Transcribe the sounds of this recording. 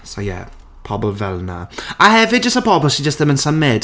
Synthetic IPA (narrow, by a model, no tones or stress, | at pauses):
sojɛ̰ | pʰɔbɔlˠvɛlˠna̰ahɛvɪd̚d͡ʒəstəpʰɔbɔsid͡ʒəstðəmə̃nsəmɛd